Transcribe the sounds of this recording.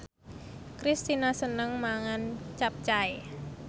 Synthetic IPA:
kɾist̪inasənəŋmaŋant͡ʃap̚t͡ʃae

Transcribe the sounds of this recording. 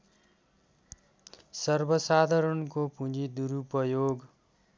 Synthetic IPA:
sʌrbʌsad̪ʱaɾʌnkopũd͡zid̪uɾupʌjoɡ

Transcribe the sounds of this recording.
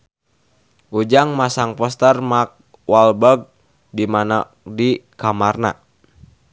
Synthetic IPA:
ʔud͡ʒaŋmasaŋpɔst̪ərmak̚ | walbəɡ̚ | dimana | dikamarna̰

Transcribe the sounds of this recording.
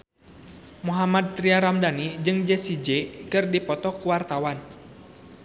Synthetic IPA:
muɦamad̪̚t̪ɾiaɾamdanid͡ʒɨŋd͡ʒɛsid͡ʒɛkɨrdipɔt̪ɔkuwart̪awan

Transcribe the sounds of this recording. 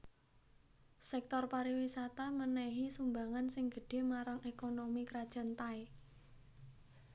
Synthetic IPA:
sɛk̚t̪ɔrpaɾiwisat̪amənɛɦisumbaŋansɪŋɡə̤ɖ̥e̤maɾaŋekonomikɾad̥ʒ̥a̤nt̪ae

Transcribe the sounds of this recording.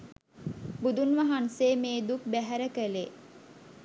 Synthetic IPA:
bud̪unʋaɦanseːmeːd̪uk̚bæɦæɾəkəle

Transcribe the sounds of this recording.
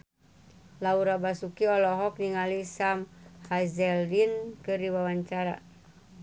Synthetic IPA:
lauɾabasukiɔlɔɦɔk̚niŋalisamhazɛldinkɨrdiwawaɲt͡ʃaɾa̰

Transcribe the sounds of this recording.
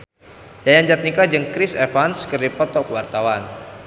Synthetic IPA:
jajand͡ʒat̪̚nikad͡ʒɨŋkɾɪsɛfanskɨrdipɔt̪ɔkwart̪awan

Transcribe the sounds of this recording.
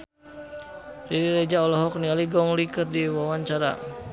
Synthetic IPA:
riɾiɾed͡ʒaɔlɔɦɔk̚nialiɡɔŋlikərdiwawaɲt͡ʃaɾa̰

